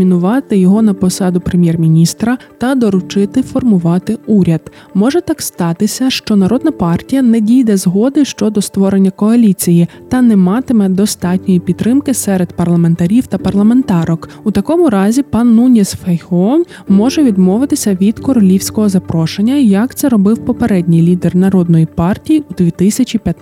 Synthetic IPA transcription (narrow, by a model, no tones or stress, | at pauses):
mʲinʊʋɑt̪ɪjɔɦɔnɐpɔsɑd̪ʊpɾemʲjɛrmʲinʲist̪ɾɐt̪ɐd̪ɔɾʊt͡ʃɪt̪ɪfɔrmʊʋɑt̪ɪuɾʲɐd̪̥ | mɔʒɛt̪ɑkst̪ɑt̪ɪsʲɐʃt͡ʃɔnɐɾɔd̪nɐpɑrtʲijɐnɛdʲijd̪ɛzɦɔd̪ɪʃt͡ʃɔd̪ɔst̪ʋɔɾenʲːɐkɔɐlʲit͡sʲijit̪ɐnɛmɑt̪ɪmɛd̪ɔst̪ɑtʲnʲɔjipʲit̪ːɾɪmkɪsɛɾe̞d̪̥pɐrlˠɐme̞nt̪ɐɾʲiwt̪ɐpɐrlˠɐme̞nt̪ɑɾɔk | ut̪ɐkɔmʊɾɑzʲipɐnunʲisfejhɔ | mɔʒɛʋʲid̪mɔʋɪt̪ɪsʲɐʋʲid̪kɔɾɔlʲiwsʲkɔɦɔzɐpɾɔʃenʲːɐjɐkt̪sɛɾɔbɪwpɔpeɾɛdʲnʲijlʲid̪ernɐɾɔd̪̚nɔjipɑrtʲijiud̪ʋʲit̪ɪsʲɐt͡ʃʲipʲjɐt̪